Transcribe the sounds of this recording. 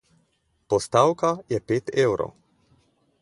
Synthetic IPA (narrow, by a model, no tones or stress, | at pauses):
pɔst̪awkajɛpeːt̪ewɾɔ̰